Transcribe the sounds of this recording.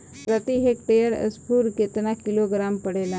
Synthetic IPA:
pɾət̪iɦekʈ̪ejəɽə̰spuːɾket̪nakiloɡɾampəɽela

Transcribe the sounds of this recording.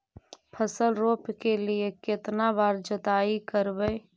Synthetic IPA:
pʰəsəlɾoːpkeliekɪt̪nabaːɾd͡ʒət̪aːikəɾbe

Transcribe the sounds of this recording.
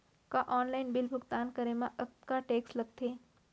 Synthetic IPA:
kaʔɔːnlaːɪnbɪlbʱʊɡt̪aːnkɐɾemãʔɐk̚t̪kaʈeːkslɐɡ̚t̪ʰeː

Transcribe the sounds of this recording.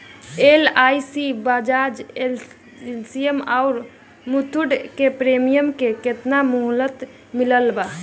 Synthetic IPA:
elajsibad͡ʒad͡ʒe | lsiemaʊɾ | mut̪ʰuɖkepɾemijəmkeket̪namuɦlət̪ | miləlba

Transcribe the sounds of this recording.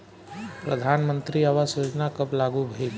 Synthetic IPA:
pɾəd̪ʱaːnmənt̪ɾiəʋasod͡ʒnakəplaɡubʱel

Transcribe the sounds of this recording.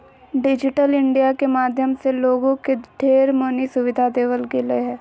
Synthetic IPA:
ɖɪd͡ʒɪʈəlɪ̃ɳɖijakemaːd̪ʱjəmseloːɡõkeɖ̪ʱeːɾmoːnisʊʋɪd̪ʱad̪eːʋəlɡɪleɦɛ̃ː

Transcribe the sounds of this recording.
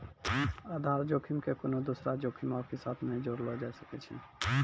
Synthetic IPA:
aːd̪ʱaːɾd͡ʒoːkʰimkekonod̪usɾad͡ʒoːkʰimaːkesaːt̪ʰnẽd͡ʒoɾlɔd͡ʒaesəkɛt͡ʃʰḭ

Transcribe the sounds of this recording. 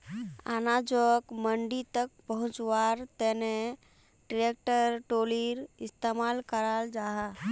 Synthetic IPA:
a̰nad͡ʒokməɳɖit̪ək̚pəɦʊ̃t͡ʃwaɾt̪ene | ʈɾek̚ʈəɾʈoliɾɪst̪emaːlkəɾald͡ʒaːɦa

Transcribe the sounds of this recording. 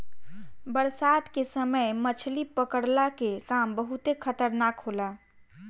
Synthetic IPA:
bəɾsaːd̪kesəməjmət͡ʃʰlipəkəɽlakekaːmbəɦʊt̪exʰɐt̪əɾnaːkɦoːlaː

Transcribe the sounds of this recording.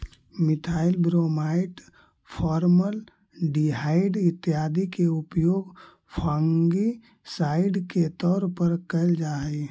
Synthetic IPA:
mɪt̪ʰaːɪlbɾomaɪʈ | pʰɔːɾməl | ɖiɦaːɪɖɪt̪ːjaːd̪ʱikeʊpjoːɡ | pʰãŋɡi | saːɪɖket̪ɔːɾpəɾkəld͡ʒaː

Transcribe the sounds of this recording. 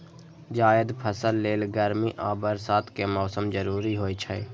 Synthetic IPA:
d͡ʒaːəd̪pʰəsəlːeːlɡəɾmiʔaːbəɾsaːt̪ʰkemɔːsəmd͡ʒəɾuːɾiɦoːit͡ʃʰə

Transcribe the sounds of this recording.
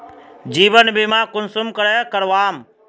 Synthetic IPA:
d͡ʒiːbənbimakʊnsumkəɾɛkəɾʋaːm

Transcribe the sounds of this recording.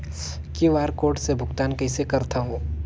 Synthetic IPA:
kiʋaːɾkoːɾʈsebʱʊɡt̪aːnkɛɪsekɐɾt̪ʰaɦõː

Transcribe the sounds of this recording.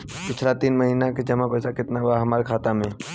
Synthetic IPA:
pɪt͡ʃʰlat̪iːnməɦiːnaked͡ʒɐmapəsakɪt̪naʋaɦəmaːɾekʰaːt̪amẽː

